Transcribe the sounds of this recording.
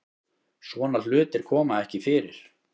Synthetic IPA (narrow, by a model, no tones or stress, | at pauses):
svɔːnal̥ʏːt̪ɪɾ̥kʰɔːmaðɛhcɪfɪːɾɪ̰ɾ̥